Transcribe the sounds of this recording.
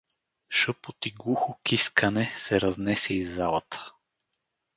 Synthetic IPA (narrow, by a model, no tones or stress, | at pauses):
ʃɤpot̪iɡlˠuxokiskʰɐnɛsɛɾɐznɛsɛizːalˠət̪ə̥